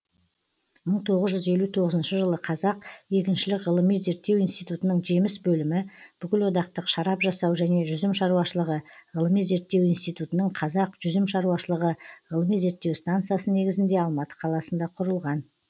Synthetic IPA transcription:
məɴt̪ʰo̞ʁəzʒʏze̞lut̪ʰo̞ʁəzənʃəʒəlˠəqʰɑzɑqje̞kʲɪnʃɪlɪkʁəlˠəmijze̞ɾt̪ːe̞winst̪ijt̪ut̪ənəɴʒe̞mɪsbɵlɪmɪb̥ʏkʲɪlwo̞d̪ɑqt̪əqʃɑɾɑpʒɑsɑwʒæne̞ʒʏzɪmʃɑɾuwɑʃəlˠəʁəʁəlˠəmijze̞ɾt̪ːe̞winst̪ijt̪ut̪ənəɴqʰɑzɑqʒ̥ʏzɪmʃɑɾuɑʃəlˠəʁəʁəlˠəmijze̞ɾt̪ːe̞wst̪ant̪sɨjasəne̞ɡʲɪzɪnd̪e̞ɑlˠmɑt̪ə̥qʰɑlˠɑsənd̪ɑqʰʊɾəlˠʁɑn

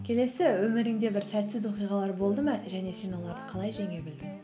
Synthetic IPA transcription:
kʲʰe̞le̞sɪwɵmɪɾɪŋd̪e̞bɪɾsæt̪sɪzo̞qijʁɑlˠɑɾbo̞lˠd̪əməʒæne̞se̞nwolˠɑɾd̪əqʰɑlˠɑjʒeŋe̞bɪld̪ɪŋ

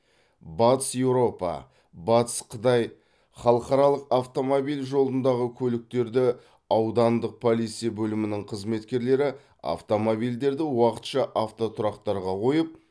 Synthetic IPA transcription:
bɑt̪əsjewɾo̞pɑ̰ | bɑt̪ə̥sqʰət̪ɑj | χɑlˠəqɑɾɑlˠəqaft̪o̞mobijlʲʒo̞lˠənd̪ɑʁəkʲʰɵlɪk̚t̪e̞ɾd̪ɪ | ɑwd̪ɑnd̪əq̚pʰolˠit̪sijabɵlɪmɪnɪŋqʰəzme̞t̪kʲe̞ɾle̞ɾɪ | a̰ft̪o̞mobijld̪e̞ɾd̪ɪwɑqə̥t̪ʃɑʔaft̪o̞t̪ʰʊɾɑqt̪ɑɾʁɑqʰo̞jəp̚

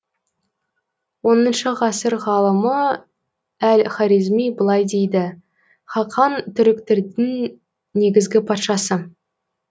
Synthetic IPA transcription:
wo̞nənʃəʁɑsəɾʁɑlˠəmə | ælχɑɾizmijbəlˠɑjd̪e̞jd̪ɪ | χɑqʰɑnt̪ʰʏɾɪkt̪ɪɾd̪ɪŋ | ne̞ɡʲɪzɡʲɪpʰɑt̪ʃɑsə

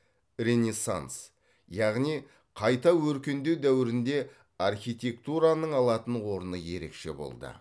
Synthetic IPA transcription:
ɾe̞nʲesa̰ns | jɑʁnij | qʰɑjt̪ɑwɵɾkʲe̞nd̪ewd̪æwɪɾɪnd̪e̞ | arχʲijt̪ʲe̞kt̪uɾanəɴɑlˠɑt̪ənwo̞ɾənəje̞ɾe̞kʃe̞̰bo̞̰lˠd̪ə̰

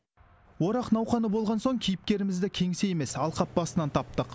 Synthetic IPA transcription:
wo̞ɾɑqnɑwχɑnəbo̞lˠʁɑnso̞ɴkʲʰijɪp̚kʲe̞ɾɪmɪzd̪ɪkʲʰe̞ŋse̞je̞me̞sɑlˠqʰɑp̚bɑsənɑnt̪ʰɑp̚t̪əq

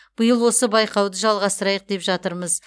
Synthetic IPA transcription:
b̥əjəlˠwo̞səbɑjqɑwd̪əʒɑlˠʁɑst̪əɾɑjəq̚d̪e̞pʒɑt̪əɾməz

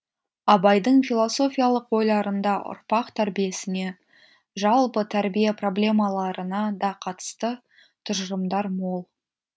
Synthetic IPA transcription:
ɑbɑjd̪əɴfilˠo̞so̞fʲijalˠəqwo̞jlˠɑɾənd̪ɑʔʊ̰ɾpɑqt̪ʰæɾbije̞sɪne̞ | ʒɑlˠpət̪ʰæɾbijepro̞blʲe̞mɑlˠɑɾənɑd̪ɑqʰɑt̪ə̥st̪ə | t̪ʰʊʒɾəmd̪ɑɾmo̞lˠ

